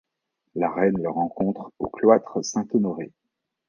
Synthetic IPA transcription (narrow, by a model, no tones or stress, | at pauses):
laʁɛnləʁɑ̃kɔ̃t̪χoklwat̪χsɛ̃t̪ɔnɔʁe